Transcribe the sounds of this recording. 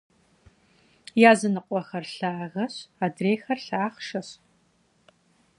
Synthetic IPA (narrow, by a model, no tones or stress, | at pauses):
jaːzɨnɨqʷʼɔxɐrɬaːɣɐɕaːdreːxɐrɬaːχʃɐɕ